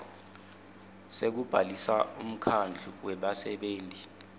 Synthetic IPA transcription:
sek̬ub̥ʱalisaum̩kʰand͡ɮʱuwɛɓasɛɓeːntʼi

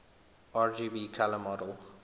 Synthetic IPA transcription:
aɹd͡ʒiːbiːkʰaləmɔɾəlˠ

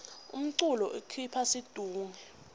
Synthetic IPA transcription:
ṵm̩ǀulɔʔekʰipʰasid̥ʱuːŋɛ

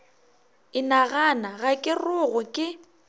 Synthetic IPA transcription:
ɪnaɣanaɣakʼɪrʊɣʊkʼɪ

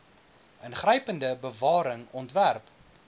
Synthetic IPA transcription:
ənχrəjpəndəbəvɑːɾəŋɔntværp

